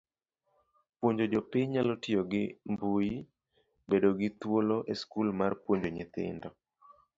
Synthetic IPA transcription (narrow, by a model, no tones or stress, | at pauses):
pwoɲd͡ʒod͡ʒopɪɲɲalɔtioɡɪmbuji | bedoɡɪt̪woloʔeskulmarpwoɲd͡ʒoɲɪt̪ɪ̰ndɔ